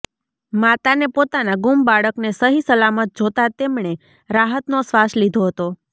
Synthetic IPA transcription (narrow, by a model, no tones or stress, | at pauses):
mat̪anepot̪anaɡumbaɭəknesəɦisəlamət̪̚d͡ʒot̪at̪emɳe | ɾaɦət̪nosʋaslid̪ʱoɦət̪o